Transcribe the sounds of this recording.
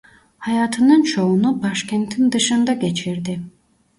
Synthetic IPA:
hɑjaːt̪ʰɯnɯnt͡ʃʰo̞unubaʃkʰʲɛnt̪ʰind̪ɯʃɯnd̪aɡet͡ʃʰiɾd̪ɪ

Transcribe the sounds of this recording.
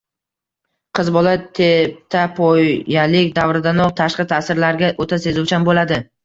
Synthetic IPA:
qʰɨzbɒlat̪ʰep̚t̪ʰapʰɒjalɪkʲd̪avɾɪd̪anɒqt̪ʰaʃqɨt̪ʰasɪɾlaɾɡʲaʔot̪ʰase̞zʊwt͡ʃʰanbolad̪ɪ

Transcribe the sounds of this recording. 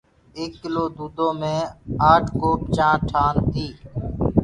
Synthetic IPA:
eːkːɪloːd̪uːd̪õːmẽːaːʈʰkoːp̚t͡ʃãːʈʰaːnt̪iː

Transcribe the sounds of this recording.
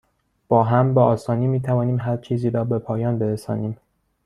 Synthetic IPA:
b̥ɒːɦæmbeɒːsɒːniːmiːt̪ʰævɒːniːmɦæɾt͡ʃʰiːziːɾɒːbepʰɒːjɒːnbeɾesɒːniːm

